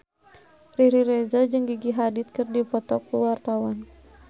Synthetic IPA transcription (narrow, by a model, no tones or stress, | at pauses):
riɾiɾɛzad͡ʒɨŋɡiɡiɦadit̪̚kɨrdipɔt̪ɔkːuwart̪awan